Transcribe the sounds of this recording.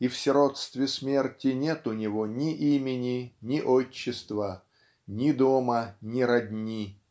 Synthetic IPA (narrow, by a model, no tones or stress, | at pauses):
ifsʲɪɾot̪st̪vʲɪsmʲe̞rtʲɪnʲet̪ʊnʲɪvonʲɪʔimʲɪnʲɪnʲɪʔot͡ɕːɪst̪və | nʲɪd̪omənʲɪɾɐdʲnʲi